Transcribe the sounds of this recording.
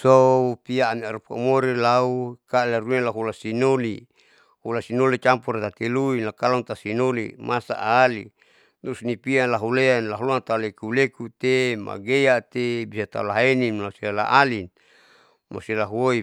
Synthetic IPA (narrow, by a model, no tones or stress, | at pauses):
soupiaːmiaɾupa̰umoɾelaukaleɾunelaɦulasinoli | hulasinolit͡ʃampuɾet̪at̪eluinlakalaunt̪asinolḭmasa̰ʔaːli | d̪uɾusnipialaɦuleanlaɦuluant̪aulekulekut̪ema̰ɡejat̪ebisat̪a̰ulaɦenimlasilala̰ʔalin | mo̰silaɦuoi